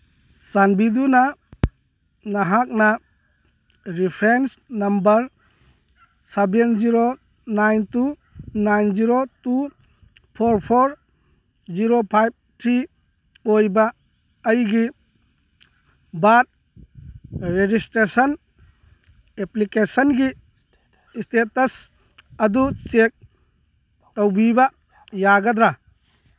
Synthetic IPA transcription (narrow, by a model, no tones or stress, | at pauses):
sanbiduna | naɦak̚na | ɾipʰɾensnɐmbɐɾ | sebenziɾo | najntu | najnziɾotu | pʰoɾpʰoɾ | ziɾopʰajb̚tʰɾi | ojbɐː | jɡi | bat̚ | ɾed͡ʒistɾesɐn | eplikesɐnɡi | stetɐs | ɐdut͡ʃek̚ | tɔwbibɐ | jaɡɐd̪ɾa